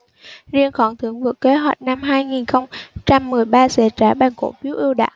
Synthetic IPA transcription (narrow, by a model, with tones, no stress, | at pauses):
zi˧ənxɔ˧˩nt̪ʰɨ˨˦əŋvɨ˨˧˩ək̚ke˨˦ɦwa̰˨˩jt̚na˧mɦaː˧jŋi˨˩nxə˧wŋ͡mt͡ɕa˧mːɨ˨˩əjɓaː˧sɛ˧˩t͡ɕaː˧˩ɓaː˧˩nko̰˧˥fi˨˦əwʔi˧əwɗa̰ː˧˨ʔ